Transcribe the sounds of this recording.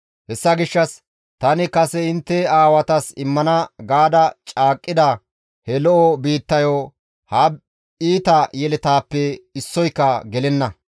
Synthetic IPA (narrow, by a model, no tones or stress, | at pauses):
hɛsːɐɡɪʃːɐs | t̪ɐnɪkɐsɛɪnt̪ːɛaːwɐt̪ɐsɪmːɐnɐɡaːd̪ɐt͡ʃʼaːkʼːɪd̪ɐ | hɛlɔʔɔbiːt̪ːɐjo | hɐb | iːt̪ɐjɛlɛt̪aːpːɛɪsːɔjkːɐɡɛlɛnːɐ